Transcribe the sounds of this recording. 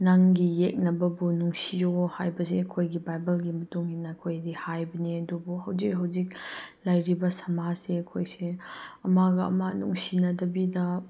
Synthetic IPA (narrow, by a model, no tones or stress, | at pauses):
naŋɡijek̚nɐbɐbunuŋsijohajbɐseɐkʰojɡibajbɐlɡimɐtuŋhinːɐɐkʰojdihajbɐniɐdubuhɐwzik̚ɦɐwzik̚lajɾibɐsɐmaseɐkʰojseɐmaɡɐɐ̰mɐnṵŋsinɐdɐbidɐ